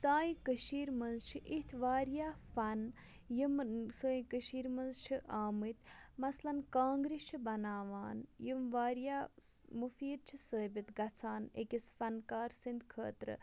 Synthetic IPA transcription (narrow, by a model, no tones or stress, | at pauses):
saːjĩkəʃiːɾmɐnzt͡ʃʰiʔit̪ʰʋaːɾjaːfɐn | jimsəːjĩkəʃiːɾmɐnzt͡ʃʰiʔaːmɨt̪mɐslɐnkaːŋɡɾit͡ʃʰibɐnaːʋaːnjimʋaːɾjaːmufiːd̪̚t͡ʃʰisəːbit̪ɡɐt͡sʰaːnḛkisfɐnkaːɾsind̪kʰə̰ːt̪ɾɨ̰